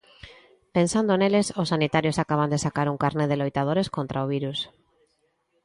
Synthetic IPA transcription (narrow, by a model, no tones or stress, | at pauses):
pensand̪oenelesosːanit̪aɾjosakaβ̞and̪esakaɾuŋkaɾneðelojt̪að̞oɾeskont̪ɾʔaoβ̞iɾus